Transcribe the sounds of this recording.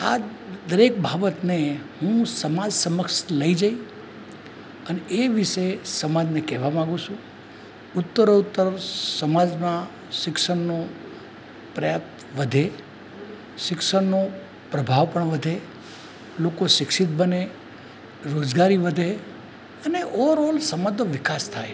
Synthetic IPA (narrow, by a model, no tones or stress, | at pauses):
ad̪əɾek̚bʱabət̪neɦũsəmad͡ʒsəməkʃləid͡ʒai | əneʔeʋɪʃesəmad͡ʒnekɛɦʋamãɡũt͡ʃʰũ | ʊt̪ːəɾout̪ːəɾsəmad͡ʒmã | ʃɪkʃəɳno | pɾəjapt̪ | ʋəd̪ʱe | ʃɪkʃəɳːo | pɾəbʱaʋpəɳʋəd̪ʱe | lokoʃɪkʃɪt̪̚bəne | ɾod͡ʒɡaɾiʋəd̪ʱe | əneʔɔʋəɾolsəmad̪oʋɪkast̪ʰae